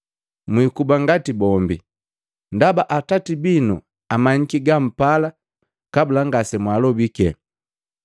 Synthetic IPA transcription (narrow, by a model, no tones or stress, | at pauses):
mwikubaŋɡatibɔmbi | ndabaʔatatibinu | amaɲ̩kiɡam̩pala | kabulaŋɡasɛmwalɔbikɛ